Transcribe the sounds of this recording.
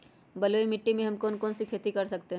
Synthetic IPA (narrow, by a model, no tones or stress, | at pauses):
bɐloːimɪʈːimẽɦɐmkɔːnkɔːnsikʰeːt̪ikɐɾsɐkt̪eɦɛ̃